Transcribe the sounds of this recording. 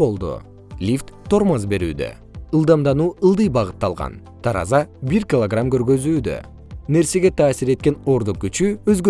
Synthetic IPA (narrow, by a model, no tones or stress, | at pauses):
bo̞lˠd̪ṵ | lʲift̪ːʰo̞ɾmazbe̞ɾy̰ːd̪ø̰ | ɯlˠd̪ɑmd̪ɑnuːɯlˠd̪ɯjbɑʁɯt̪ːɑlˠʁɑ̰n | t̪ʰɑɾɑ̰zɑbiɾkʲɪlˠoɡramkø̞ɾɡø̞zyːd̪ø̰ | ne̞ɾse̞ɡe̞t̪ʰɑːsiɾe̞t̪̚ke̞no̞ɾd̪uq̚ɡyt͡ʃyøzɡø